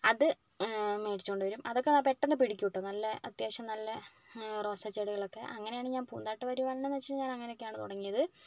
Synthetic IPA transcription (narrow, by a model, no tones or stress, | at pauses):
ɐðɨ | me̞ːʈi̥t͡ɕːukoɳɖɨʋɐɾumɐðo̞kːenaːpe̞ʈːɐnɨpiɽikʲːuʋiʈːɐnɐlːɐɐt̪jaːɕɐmnɐlːɐ | ro̞ːsɐt͡ɕːeɽuɣɐɭo̞kːe̞ʔɐŋːɐnejaːɳɨɲaːnpuːnd̪aːʈːɨʋɐɾuʋɐlɐnenet͡ɕːiʈːɲaːnɐŋːɐnejo̞kːejaːɳɨt̪uɽɐŋːijɐðɨ